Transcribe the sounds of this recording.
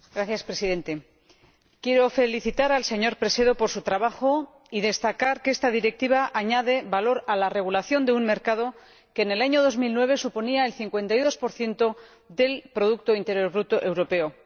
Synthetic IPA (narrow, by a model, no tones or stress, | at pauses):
ɡ̥ɾaθjaspɾe̞siðe̞nt̪e̞ | kje̞ɾo̞fe̞liθit̪aɾalse̞ɲo̞ɾpɾe̞se̞ðo̞po̞ɾsut̪ɾaβaxo̞ | iðe̞st̪akaɾke̞st̪aðiɾe̞k̚t̪iβ̞aʔaɲaðe̞βalo̞ɾalare̞ɣ̞ulaθjo̞nd̪eunme̞ɾkað̞o̞ | ke̞ːne̞laɲo̞ðo̞zmilnwe̞β̞e̞supo̞niaelθiŋkwe̞nt̪ajðo̞spo̞ɾθje̞nt̪o̞ | ðe̞lpɾo̞ð̞uk̚t̪o̞int̪e̞ɾjo̞ɾβɾut̪oʔe̞wɾo̞pe̞o